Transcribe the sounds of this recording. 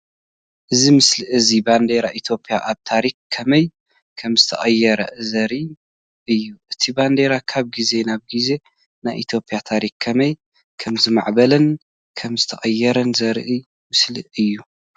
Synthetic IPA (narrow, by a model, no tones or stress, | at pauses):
ʔɨzimɨslɨʔɨziband̪eɾaʔit̪ʰo̞pʰʼijaʔaβt̪ʰaɾikkʰɐmɐj | kʰɐmzɨt̪ʰɐ̰χʼɐjːɛɾɐʔzɐɾi | ʔɨjːuʔɨt̪ʰiband̪eɾakʰaβɡize̞naβɡize̞ | najʔit̪ʰo̞pʰʼijat̪ʰaɾikkʰɐmɐj | kʰɐmzima̰ʕbɐlɐn | kʰɐmzɨt̪ʰɐχʼɐjːɛɾɐnzɐɾʔɨ | mɨslɨɨjːu